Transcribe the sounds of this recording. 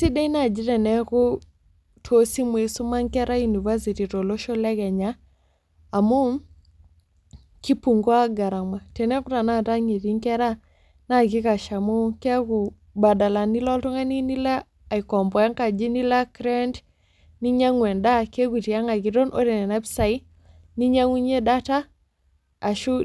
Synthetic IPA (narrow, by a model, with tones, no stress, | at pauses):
si˦dɛ˦i˦na˨d͡ʒi˦tɛ˨nɛ˦ku˦ | tʰo˦si˦mwe˨su˦ma˦ŋkɛ˦ɾʔa˦ju˨ni˨va˦si˨ti˨to˨lo˦ʃo˦lɛ˦kɛ˨ɲaː˦˨ | mu˦ | ki˦pu˨ŋɡwa˦ɡa˨ɾa˨ma˨tɛ˨nɛ˦ku˦ta˨na˦˨ta˦ɲe˨ti˦ŋkɛ˦ɾa˦ | na˦˨ki˦ka˨ʃa˨mu˦kɛ˦ku˨ | ba˨da˨la˨ni˦lɔ˦ltɔ˦ŋa˦ni˦ni˦laː˦˨ | i˨kɔ˨mbɔ˨a˦ŋka˨d͡ʒi˦ni˦la˦kɾɛ˦nd | ni˦ɲa˦ŋwɛ˨nda˦ke˦ku˨ti˨a˦ŋa˨ɡi˨do˦nʔo̰˦ɾe˨nɛ˨na˦bsa˨i˦ | ni˦ɲa˦ŋu˦ɲe˦da˦taː˦˨ | ʃu˦